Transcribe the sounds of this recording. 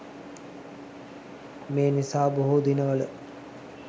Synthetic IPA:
meːnisaːboɦod̪inəʋələ

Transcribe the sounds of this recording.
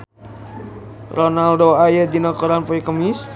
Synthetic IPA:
ronaldoajədinɔkɔɾanpɔikəmis

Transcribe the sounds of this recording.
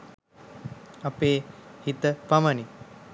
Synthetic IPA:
apeːhit̪əpaməni

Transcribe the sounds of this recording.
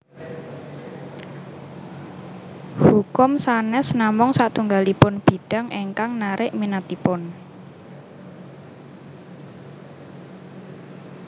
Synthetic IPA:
hukʊmsanɛsnamʊŋsaʔt̪uŋɡalipʊnb̥i̤ɖ̥a̤ŋʔeŋkaŋnaɾɪʔminat̪ipʊn

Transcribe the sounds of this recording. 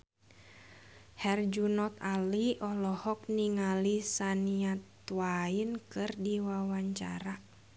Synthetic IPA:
hɛrd͡ʒunɔt̪aliʔɔlɔhɔk̚niŋalisaniat̪wainkɨrdiwawaɲt͡ʃa̰ɾa

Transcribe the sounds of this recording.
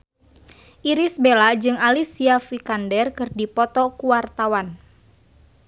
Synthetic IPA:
ʔiɾisbelad͡ʒɨŋalisiafikandɛrkɨrdipɔt̪ɔkuwart̪awan

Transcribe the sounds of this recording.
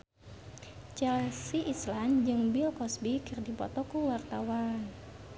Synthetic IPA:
t͡ʃɛlsiʔːsland͡ʒɨŋbilkɔsbikɨrdipɔ̰t̪ɔkuwart̪awan

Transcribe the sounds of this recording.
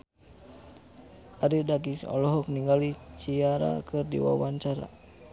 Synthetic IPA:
aɾidaɡisɔ̰lɔɦɔk̚niŋɡalit͡ʃiaɾa̰kɨrdḭwa̰waɲt͡ʃaɾa̰

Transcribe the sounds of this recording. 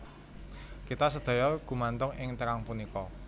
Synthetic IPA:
kit̪asəd̪̥o̤jɔɡ̥ṳmant̪ʊŋɪŋt̪əɾaŋpunikɔ

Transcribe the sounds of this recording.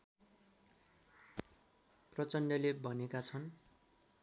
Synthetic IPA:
prʌt͡sʌnɖʌlebʱʌnekat͡sʰʌn

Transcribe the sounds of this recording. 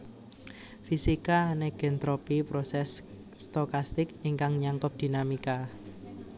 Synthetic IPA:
fisikaneɡ̥ent̪ɾopipɾɔsɛsː | t̪okast̪ɪkɪŋkaŋɲaŋkɔp̚d̪̥i̤namika

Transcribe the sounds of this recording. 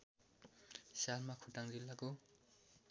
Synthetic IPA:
salmakʰutaŋdilːako

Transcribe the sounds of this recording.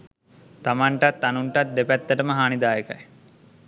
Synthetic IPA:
t̪amaɳʈat̪ːanuɳʈat̪̚d̪epæt̪ːəʈəməɦaːnid̪aːjeka̰j

